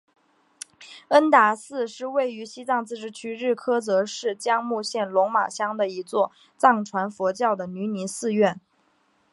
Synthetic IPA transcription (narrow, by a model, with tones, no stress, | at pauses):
ə˥nt̪a˧˩sɹ̩˥˧ʂɻ̩˥˧we˥˩ɪy˧˥ɕi˥t͡sɑ˥˧ŋt͡sɹ̩˥˧ʈ͡ʂɻ̩˥t͡ɕʰy˥ɻɻ̩˥˩kʰɤ˥t͡sɤ˧˥ʂɻ̩˥˩t͡ɕjɑ˥ŋmu˥˧ɕjɛ˥˩nlʊ˧˥ŋma̰˨˩ɕjɑ˥ŋd̪ə˨i˧˥t͡swɔ˥˧ | t͡sɑ˥˩ŋʈ͡ʂʰwa˧˥nfwɔ˧˥t͡ɕjɑ˥˩ʊd̪ə˩ny˧˥ni˧˥sɹ̩˥˧ɥɛ˥˩n